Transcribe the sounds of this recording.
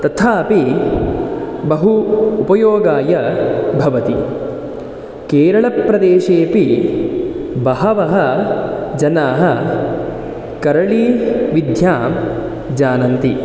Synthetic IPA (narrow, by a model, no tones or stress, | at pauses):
t̪ɐt̪ʰaːpi | bɐɦuːpɐjoːɡaːjɐbʱɐʋɐt̪i | keːɾɐɭɐpɾɐd̪eːʃeːpi | bɐɦɐʋɐɦɐ | d͡ʒɐnaːɦɐ̆ | kɐɾɐɭiʋid̪ʱjaːm | d͡ʒaːnɐnt̪i